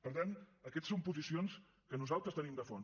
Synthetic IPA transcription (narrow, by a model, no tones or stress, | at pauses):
pəɾt̪anəkɛt̪sompuzisions | kənuzalˠt̪ɾəst̪ənimd̪əfɔn